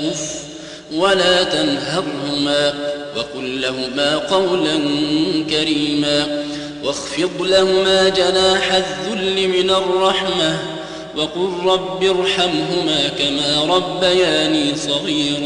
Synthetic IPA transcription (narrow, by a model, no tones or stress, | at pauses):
ʊf | walaːt̪anɦɑɾˤhʊmaːwɑqʊlːaɦʊmaːqɑwlankaɾiːmaː | wɑxfɪt̪ˤlahʊmaːd͡ʒanaːħaðːʊlːɪmɪnarˤːɑħma | wɑqʊlɾˤɑbːɪɾˤħamɦʊmaːkamaːɾˤɑbːajaːniːsˤɑɣiːɾ